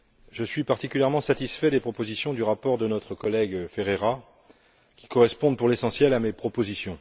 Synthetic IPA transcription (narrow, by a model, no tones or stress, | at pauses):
ʒəsɥipaʁt̪ikʲyljɛʁmɑ̃sat̪isfɛd̪epχɔpozisjɔ̃d̪yʁapɔʁd̪ənɔt̪χəkɔlɛɡfeʁeʁa | kʲi̥kɔʁɛspɔ̃d̪puʁlesɑ̃sjɛlamepχɔpozisjɔ̃